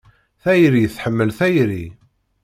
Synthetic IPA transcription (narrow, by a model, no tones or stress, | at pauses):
θæjɾijθħəmːəlθæjɾi